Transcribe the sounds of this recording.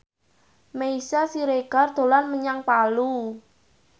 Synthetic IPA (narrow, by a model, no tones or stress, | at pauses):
meisasiɾeɡ̥a̤rd̪̥o̤lanməɲaŋpalu